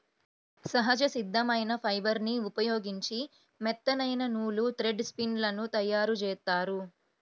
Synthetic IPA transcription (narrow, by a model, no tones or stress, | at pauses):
sɐɦɐd͡ʒɐsid̪ʱːɐmɐjnɐpʰɐjbɐɾniupɐjo̞ːɡiɲt͡ʃi | mɛt̪ːɐnɐjnɐnuːlut̪ɾeɖspinlɐnut̪ɐjːaːɾut͡ʃɛːt̪aːɾu